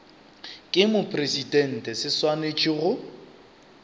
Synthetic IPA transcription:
kʼɪmʊpʰʼresidɛn̩tʼɛsɪswanet͡ʃʼiɣʊ

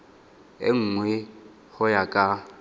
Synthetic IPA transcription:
ḛŋ̩ːŋwɛ | hʊjakʼa

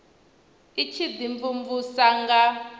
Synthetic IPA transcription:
it͡ʃʰid̪iɱvuɱvusaŋɡa

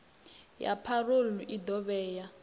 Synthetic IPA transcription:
ja̰pʰaruluʔidɔβɛːja

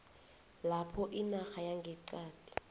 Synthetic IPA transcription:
lapʰɔʔinaxajaŋɡʱɛǀaːd̥ʰʱʼi̥

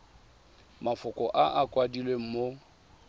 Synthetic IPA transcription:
mafʊkʼɔʔaʔakʼwadilwem̩mo

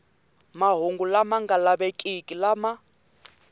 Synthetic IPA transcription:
maɦoŋɡulamaŋɡalaβɛkʼikʼilama

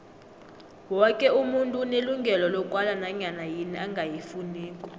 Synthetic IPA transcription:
wɔkʼɛumuntʼuneluŋɡʱɛlɔlɔkʼwalanaɲanajiniaŋɡʱajifuniːkʼɔ̥

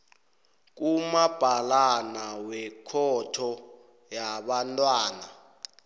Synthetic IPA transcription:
k̬umab̥ʱalanawɛkʰɔtʰɔ | jaɓantʼwaːna

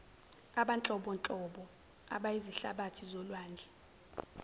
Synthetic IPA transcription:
aɓant͡ɬʼɔɓɔnt͡ɬʼɔɓɔ | a̰ɓajiziɬa̰ɓatʰizɔlwaːnd͡ɮʱɛ

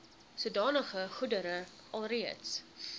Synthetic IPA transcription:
suədɑːnəχəχudəɾə | ʔɐlˠriəts

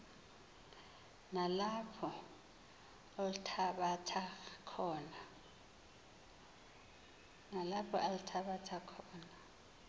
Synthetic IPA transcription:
nalapʰɔ | oltʰaɓatʰakʰɔːna | nalapʰɔʔalutʰaβatʰakʰɔːna

